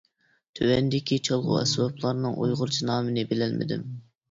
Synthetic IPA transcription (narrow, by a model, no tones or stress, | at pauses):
t̪ʰøwɛnd̪ɪkʲʰit͡ʃʰolˠʁʊ̰ɛ̰swɑplˠɑɾnɨŋʔṵjʁʊɾt͡ʃʰinɑːmɨnɪbɪlɛlmɪ̰d̪ɪ̰m